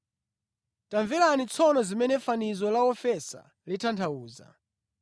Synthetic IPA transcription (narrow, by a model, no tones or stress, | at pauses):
taɱvilanit͡sʰɔnɔzimɛnɛfanizɔlaɔfɛsa̰ | litʰantʰauːza̰